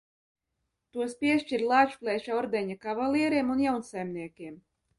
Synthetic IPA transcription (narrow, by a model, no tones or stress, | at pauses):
t̪uɔspʲiɛʃt͡ʃiɾlˠaːt͡ʃu̥plʲˠɛʃɔɾd̪ɛɲakavalˠʲiɛɾiɛmunjawnsajmniɛkʲiɛm